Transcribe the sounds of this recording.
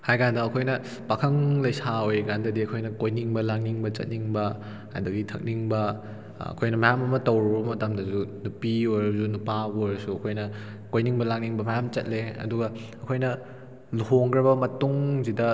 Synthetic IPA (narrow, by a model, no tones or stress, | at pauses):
hajkʰandɐːkʰojnɐ | pakʰɐŋlɐjsaojkandɐdiɐkʰojnɐkojniŋbɐlak̚niŋbɐt͡ʃɐ̰t̚niŋbɐ | a̰dɐɡitʰɐk̚niŋbɐ | ɐ̰kʰojnɐmɐjamɐmɐtɐwɾubɐmɐtamdɐzunupiojɾɐbɐzunupaojɾɐsuɐkʰojnɐ | kojniŋbɐlak̚niŋbɐmɐjamt͡ʃɐt̚leɐ̰duɡɐɐkʰojnɐ | luhoŋɡɾɐbɐmɐtuŋzidɐ